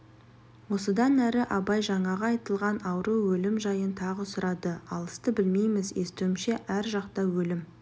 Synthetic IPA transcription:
wo̞səd̪ɑnæɾɪʔɑbɑjʒɑɴɑʁɑːjt̪əlˠʁɑnɑwɾuwɵlɪmʒɑjənt̪ʰɑʁəsʊɾɑd̪əɑlˠəst̪əbɪlme̞jmɪze̞st̪uɪmʃe̞ʔæɾʒɑqt̪ɑwɵlɪm

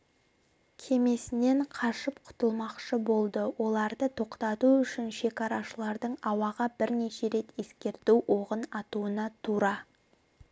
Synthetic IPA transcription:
kʲʰe̞me̞sɪne̞ɴqʰɑʃəpqʰʊ̥t̪əlˠmɑqʃəbo̞lˠd̪əwo̞lˠɑɾd̪ət̪ʰo̞qt̪ɑt̪uʏʃɪnʃe̞kɑɾɑʃəlˠɑɾd̪əɴɑwɑʁɑbɪɾne̞ʃe̞ɾe̞t̪je̞skʲe̞ɾt̪uwwʔo̞ʁənɑt̪uənɑt̪ʰuɾɑ

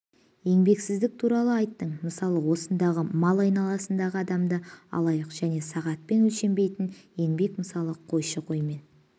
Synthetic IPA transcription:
je̞ŋbe̞ksɪzd̪ɪk̚t̪ʰuɾɑlˠəɑjt̪ːəɴməsɑlˠəwo̞sənd̪ɑʁəmɑlˠɑjnɑlˠɑsənd̪ɑʁəɑd̪ɑmd̪əɑ̰lˠɑjəqʒ̥æne̞sɑʁɑt̪̚pe̞nɵlʃe̞mbe̞jt̪ɪnje̞ŋbe̞kməsɑlˠəqʰo̞jʃəqʰo̞jme̞n

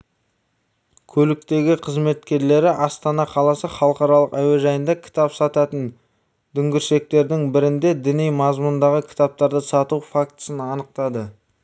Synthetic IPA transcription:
kʲʰɵlɪk̚t̪e̞ɡʲɪqʰəzme̞t̪kʲe̞ɾle̞ɾɪʔɑst̪ɑnɑqʰɑlˠɑsəχɑlˠəqɑɾɑlˠəqæwe̞ʒɑjənd̪ɑkʲʰɪ̥t̪ɑpsɑt̪ɑt̪ən | d̪̥ʏŋɡʲɪɾʃe̞k̚t̪e̞ɾd̪ɪŋbɪɾɪnd̪e̞d̪ɪnejmɑzmʊnd̪ɑʁəkʲʰɪ̥t̪ɑp̚t̪ɑɾd̪əsɑt̪ufak̚t̪ə̥sənɑnəq̚t̪ɑd̪ə

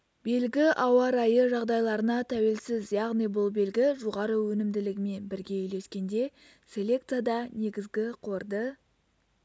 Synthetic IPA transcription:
be̞lɡʲɪʔɑwɑɾɑjəʒɑʁd̪ɑjlˠɑɾənɑt̪ʰæwe̞lsɪzjɑʁnijbʊlˠbe̞lɡʲɪʒoʁɑɾəwɵnɪmd̪ɪlɪɡʲɪme̞nbɪɾɡʲe̞ʏjle̞skʲe̞nd̪e̞ | sʲe̞lʲe̞k̚t̪sijad̪ɑne̞ɡʲɪzɡʲɪqʰoɾd̪ə

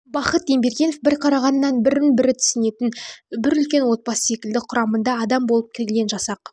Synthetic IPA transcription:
bɑqət̪e̞mbe̞ɾɡʲe̞no̞fbɪɾqʰɑɾɑʁɑnːɑnbɪɾmɪnbɪɾɪt̪ʰʏ̥sɪne̞t̪ɪnbɪɾʏlkʲe̞nwo̞t̪̚bɑsə̥se̞kʲɪld̪ɪqʰʊɾɑmənd̪ɑːd̪ɑmbo̞lˠəp̚kʲʰɪɡʲelʲe̞nʒɑsɑq

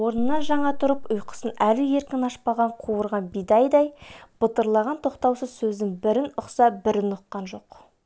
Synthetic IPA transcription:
wo̞ɾnənːɑnʒɑɴɑt̪ʰʊɾəpʊjqə̥sənælɪe̞ɾkʲɪnɑʃpɑʁɑɴqʰuwəɾʁɑnbijd̪ɑjd̪ɑjb̥ət̪əɾlˠɑʁɑnt̪ʰo̞qt̪ɑwsəzsɵzɪŋbɪɾɪnʊqsɑbɪɾɪnʊqːɑnʒo̞q

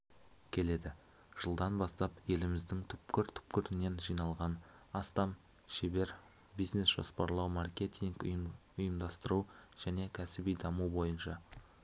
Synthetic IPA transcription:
kʲʰe̞le̞d̪ɪ | ʒ̥əlˠd̪ɑnbɑst̪ɑpje̞lɪmɪzd̪ɪŋt̪ʰʏpkʲɪɾt̪ʰʏ̥pkʲɪɾɪne̞nʒijnɑlˠʁɑnɑst̪ɑm | ʃebe̞ɾ | bijzne̞sʒ̥o̰spɑɾlˠɑwmɑrkʲe̞t̪ʲiŋkʊ̰jʊjəmd̪ɑst̪əɾuʒ̥æne̞kʲʰæsɪbijd̪ɑmubo̞jənʃɑ

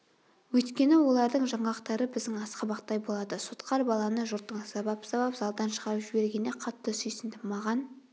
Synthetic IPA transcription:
wɵjt̪kʲe̞nɪwo̞lˠɑɾd̪əɴʒɑɴɑqt̪ɑɾəbɪzd̪ɪŋɑsqɑbɑqt̪ɑjbo̞lˠɑd̪əsot̪qɑɾbɑlˠɑnəʒʊɾt̪ːəɴsɑbɑpsɑbɑpz̥ɑlˠd̪ɑnʃəʁɑɾəpʒɪbe̞ɾɡʲe̞neqʰɑt̪ːəsʏjsɪnd̪ɪmɑʁɑn

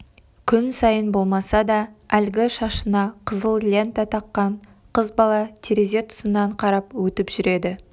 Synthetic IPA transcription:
kʲʰʏnsɑjənbo̞lˠmɑsɑd̪ɑælɡʲɪʃɑʃənɑqʰəzəlˠlʲent̪ɑt̪ʰɑqːɑɴ | qʰəzbɑlˠɑt̪ʰeɾeze̞t̪ʰʊ̥sənːɑɴqʰɑɾɑpwɵt̪ɪpʒ̥ʏɾe̞d̪ɪ

